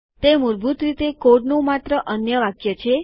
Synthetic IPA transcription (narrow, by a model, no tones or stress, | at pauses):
t̪emuɾbʱut̪ɾit̪ekoɖnũmat̪ɾəʔənjəʋakjət͡ʃʰe